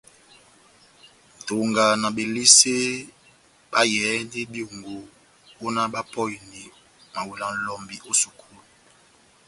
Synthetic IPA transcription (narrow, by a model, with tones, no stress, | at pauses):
n˨to˨ŋɡa˨na˨be˨li˦se˦ | ba˦jɛ˨˦ndi˦bjo˨ŋɡo˨ | ko˦na˦ba˦pɔ˦ji˨ni˨ | ma˨wu˨la˨n̩˨lɔ˨mbi˨ʔo˦su˨kʰu˦˨lu˨